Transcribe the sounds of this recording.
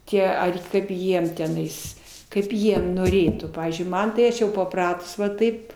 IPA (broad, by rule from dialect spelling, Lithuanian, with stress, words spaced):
ˈtʲiɛ ˈɐr ˈkɐɪp ˈjiɛm tʲɛˈnɐɪs ˈkɐɪp ˈjiɛ noːˈrʲeːtuː ˈpɑːʋʲiːzʲd͡ʒʲʊɪ ˈmɐn tɐɪ ˈɐʃ jɛʊ pɐˈprɑːtʊs ʋɐ ˈtɐɪp